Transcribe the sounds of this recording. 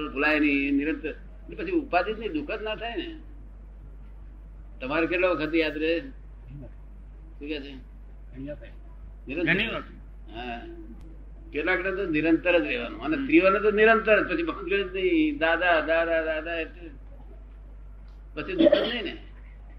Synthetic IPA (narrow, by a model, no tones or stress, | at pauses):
pulajniniɾənt̪əɾ | əʈlepət͡ʃʰiupasit̪nid̪ʊkʰət̪nat̪ʰajne | t̪əmaɾekeʈlokkʰət̪̬ijad̪ɾee | tũkɛt͡ʃʰe | nɪɾənɡəi | ɦã | keʈlaknet̪onɪɾənt̪əɾətɾeʋa̰nṵ̃ənet̪ɾiʋanet̪oniɾənt̪əɾət̪̚pət͡ʃʰibʱəŋɡəɽət̪niid̪ad̪ad̪ad̪ad̪ad̪aet̪ | pət͡ʃʰid̪ukʰət̪nəine